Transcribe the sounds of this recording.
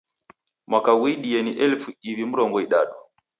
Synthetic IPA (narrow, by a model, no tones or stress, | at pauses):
mwakawiɗijɛniʔɛlfuiwim̩ɾɔŋɡɔiɗaɗɔ